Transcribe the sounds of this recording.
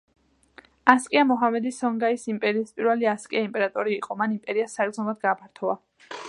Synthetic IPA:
askʼiamɔɦamɛd̪isɔŋɡaisimpʼɛɾiːspʼiɾvɛliaskʼiaimpʼɛɾat̪ʼɔɾiːqʼɔmanimpʼɛɾiasːaɡɡ̪zɔnad̪̚ɡaːpʰaɾt̪ʰɔva

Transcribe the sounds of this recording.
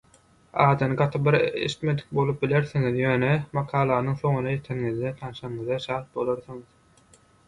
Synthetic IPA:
ɑːd̪ɯnɯɡɑt̪ʰɯp̚biɾḛʃi̥t̪me̞d̪i̥k̚bo̞lˠɯp̚bile̞ɾθiŋiðjø̞ːnemɑqʰɑːlˠɑːnɯŋθo̞ŋunɑjet̪ʰeɾŋiðd̪et̪ʰɑnɯʃɑɴɯðeʃɑːt̪̚bo̞lˠoɾθuŋɯð

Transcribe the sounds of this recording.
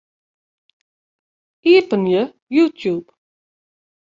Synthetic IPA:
iəpənjə | jutʰjup

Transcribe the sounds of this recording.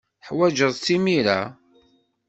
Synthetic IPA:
ħwæd͡ʒəðˤt͡sːimiɾæ̰

